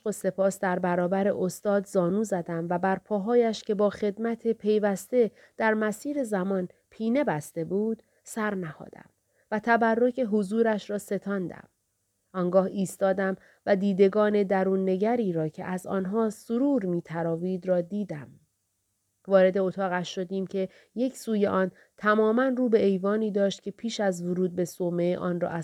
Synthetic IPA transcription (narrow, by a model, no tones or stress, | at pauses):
ʃose̞pʰɒːsd̪æɾbæɾɒːbæɾḛʔost̪ɒːd̪zɒːnuːzæd̪æmvæbæɾpʰɒːɦɒːjæʃcʰe̞bɒːxe̞d̪mæt̪ʰepʰe̞jvæst̪e̞ | d̪̥æɾmæsiːɾe̞zæmɒːnpʰiːne̞bæst̪e̞buːd̪̥ | sæɾnæhɒ̰ːd̪̥æ̰m | væt̪ʰæbærːocʰe̞ɦozuːɾæʃɾɒːse̞t̪ʰɒːnd̪æ̰m | ʔɒːŋɡɒːhiːst̪ɒːd̪æm | væd̪iːd̪e̞ɡɒːne̞d̪æɾuːnːe̞ɟæɾiːɾɒːcʰe̞̰ʔæzɒ̰ːnɦɒːsoɾuːɾmiːt̪ʰæɾɒːviːd̪ɾɒːd̪iːd̪æm | vɒːɾe̞d̪e̞ot̪ʰɒːɣæʃʃo̞d̪iːmcʰe̞ | je̞cʰsuːjeʔɒːn | t̪ʰæmɒːmænruːbe̞ejvɒːniːd̪ɒːʃt̪̚cʰe̞pʰiːʃæzvoɾuːd̪̚be̞someʔɒ̰ːnrɒ̰ːʔæ